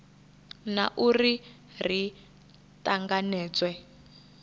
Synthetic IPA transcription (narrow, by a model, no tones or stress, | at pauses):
na̰ʔuri | r̤i | taŋɡanɛːt͡swɛ